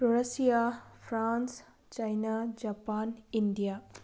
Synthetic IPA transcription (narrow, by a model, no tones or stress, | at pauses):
poɾɐsijapʰɾans | t͡ʃajnad͡ʒapanindija